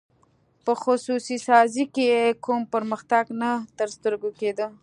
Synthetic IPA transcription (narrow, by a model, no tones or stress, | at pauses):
pəxʊsusisɑzikejekumpəɾməxt̪aɡnat̪əɾst̪əɾɡoked̪ə